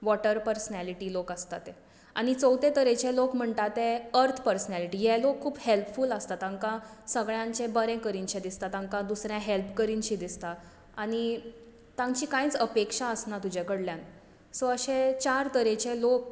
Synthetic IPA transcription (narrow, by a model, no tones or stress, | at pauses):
ʋɔʈəɾpəɾsənæliʈiːlokəst̪a̰t̪e | a̰ɽ̃it͡səwt̪et̪əɾet͡ɕelokm̤əɳt̪at̪eəɾt̪ʰpəɾsənæliʈijelokʰːuːbhelpfuləst̪at̪ãŋkãsəɡɭjãɲt͡ɕebəɾẽkəɾiɲt͡ɕẽd̪ist̪at̪ãŋkad̪usɾjãɦelpkəɾiɲt͡ɕiːd̪ist̪a | aɽ̃i | t̪ãŋt͡ɕiːkãjt͡səpekʂaəsnat̪ud͡ʑʱekəɽljãn | soəɕẽt͡ɕaɾt̪əɾet͡ɕelok̚